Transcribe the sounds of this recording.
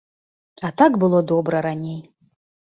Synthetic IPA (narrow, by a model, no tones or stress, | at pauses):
at̪akbɨlˠɔd̪ɔbɾɐɾanʲej